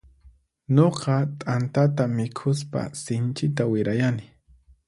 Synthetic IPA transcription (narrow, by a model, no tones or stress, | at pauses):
ɲoqɑt̪ʼant̪at̪amɪkʰʊs̬pa̰sɪnt͡ʃɪt̪awɪɾajanɪ